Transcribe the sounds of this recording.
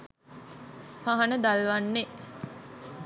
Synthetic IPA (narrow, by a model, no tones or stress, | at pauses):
paɦanəd̪alʋanːe